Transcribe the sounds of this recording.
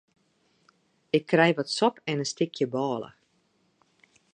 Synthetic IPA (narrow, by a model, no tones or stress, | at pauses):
ɪkʰːrɛjʋɔtsɔpɛnəstɪkʰjəbɑːlˠə̰